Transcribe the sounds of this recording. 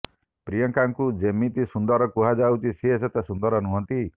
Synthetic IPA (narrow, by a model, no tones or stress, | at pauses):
pɾijɔŋkaŋkud͡ʒemit̪isund̪ɔɾɔkuɦad͡ʒawt͡ʃʰiseeset̪esund̪ɔɾɔnuɦɔnt̪i